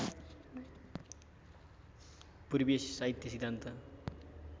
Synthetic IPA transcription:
puɾibessaɦit̪jʌsiɡd̪ʱant̪ʌ

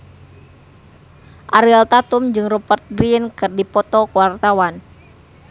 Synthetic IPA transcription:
ʔaɾilt̪at̪umd͡ʒɨŋrɔpərt̪̚ɡɾiənkɨrdipɔt̪ɔkwart̪awan

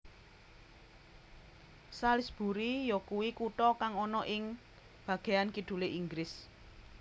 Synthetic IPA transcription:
salɪsb̥ṳɾijɔkuwikuʈɔkaŋɔnɔʔɪŋ | b̥ä̤ɡ̥e̤ankiɖ̪̥ṳleʔiŋɡɾɪs

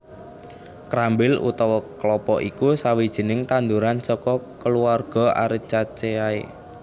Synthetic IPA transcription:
kɾambɪlṵt̪ɔwɔklɔpɔʔikusawid̥ʒ̥i̤nɪŋt̪and̪uɾansɔkɔkəluarɡ̥ɔ̤a̰ɾit͡ʃat͡ʃeaḛ

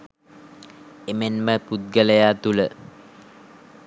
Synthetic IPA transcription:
emenməput̪̚ɡələjaːt̪ulə

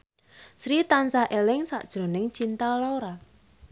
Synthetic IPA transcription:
sɾit̪ansahʔelɪŋsa̰ʔd̥ʒ̥ɾo̤nɪŋt͡ʃint̪aloɾa

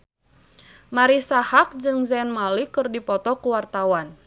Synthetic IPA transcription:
maɾisahak̚d͡ʒɨŋzɛnmalikɨrdipɔt̪ɔkuwart̪awan

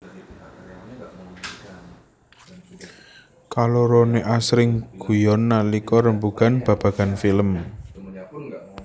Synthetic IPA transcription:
kaloɾoneʔasɾɪŋɡ̥ṳjɔnːalikɔɾəmbuɡ̥anb̥ä̤b̥a̤ɡ̥a̤nfiləm

